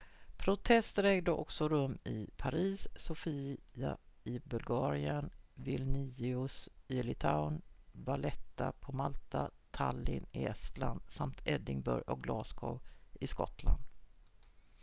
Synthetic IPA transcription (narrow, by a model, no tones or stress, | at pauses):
pʰɾʊt̪ʰɛst̪əɾɛːɡd̪əʔɔksɔɾɵmːɪpʰaɾiːsːʊfiːaɪbɵlɡɑːɾɪənvɪlnɪɪʊsɪlɪt̪ʰaʊnvalɛt̪ːapʰɔmalt̪at̪ʰalːɪ̰nɪɛst̪land̪̥samt̪ʰɛd̪ɪŋbœ̰ɾjʔɔk̚ɡlɑːskʰɔ̰ɪskɔt̪ʰland̪